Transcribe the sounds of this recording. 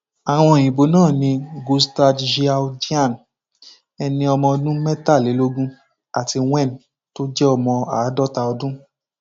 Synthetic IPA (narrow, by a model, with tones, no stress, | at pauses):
a˨w̃ɔ̃˧˨ĩ˨bo˨˦nãː˦˨nĩ˧ɡo˧sta˧dʃi˧a˧d͡ʒi˦a˦˨n˨ | ɛ˧nĩ˧ɔ˧mɔ̃˧dũ˦mɛ˦ta˦˨le˨˦lo˦ɡũ˦ | a˨ti˧w̃ɛ˦˨n˨ | to˦d͡ʒɛ˦ɔ˧mɔ̃˧a˨˦dɔ˦ta˧ɔ˧dũ˦